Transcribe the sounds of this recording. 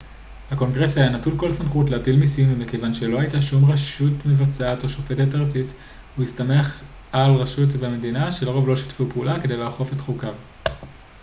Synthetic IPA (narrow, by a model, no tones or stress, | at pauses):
hako̞ŋɡʁe̞sajanatulko̞lsamχutleatilmisimmike̞vanʃe̞lo̞hajtaʃumʁaʃutmevat͡saato̞ʃofe̞tetaʁt͡sit | huistame̞χ | alʁaʃut̬bemedinaʃeloʁo̞vlo̞ʃi̥tfupeulake̞de̞jleaχo̞fe̞tχukav